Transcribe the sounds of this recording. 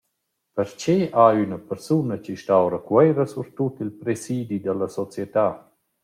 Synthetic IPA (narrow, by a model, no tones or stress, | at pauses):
pəɾt͡ʃeʔaynəpəɾsunət͡ʃiʃtawɾəkwɛjɾəsuɾt̪ut̪ilpɾesid̪id̪əlasɔt͡sjɛt̪aː